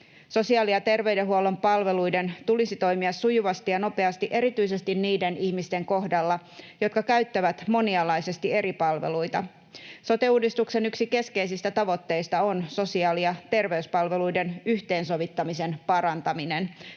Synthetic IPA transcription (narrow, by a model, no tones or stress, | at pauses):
so̞siɑːliɑt̪e̞rʋe̞ydeɦuolo̞mpɑlʋe̞lujde̞nt̪ulisit̪o̞jmiɑsːujuʋɑst̪ijɑno̞pe̞ɑst̪iʔe̞ɾit̪yise̞st̪inniːdeniçmist̪e̞ŋko̞hdɑlːɑjo̞t̪kɑkæɥt̪ːæʋæt̪mo̞niɑlːɑjse̞st̪ie̞ɾipɑlʋḛlujt̪ɑ̰ | sot̪euːdist̪ukse̞nyksike̞skeisist̪æt̪ɑʋo̞t̪ːe̞jst̪ɑonso̞siɑːliɑt̪e̞rʋe̞yspɑlʋe̞lujde̞nyçt̪e̞ːnso̞ʋit̪ːɑmise̞npɑɾɑnt̪ɑminen